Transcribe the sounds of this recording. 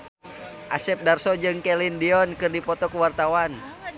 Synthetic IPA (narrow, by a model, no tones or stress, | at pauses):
ʔasɛp̚darsɔd͡ʒɨŋkɛlindiɔnkɨrdipɔt̪ɔkuwart̪awan